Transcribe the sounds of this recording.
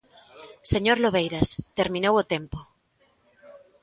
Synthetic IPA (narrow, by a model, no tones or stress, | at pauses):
seɲoɾloβejɾast̪eɾmĩnowot̪empo